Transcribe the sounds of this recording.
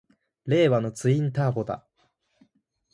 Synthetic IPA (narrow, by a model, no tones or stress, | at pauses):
ɾe̞ːβano̞t͡sɨĩnt̪aːpo̞d̪a̰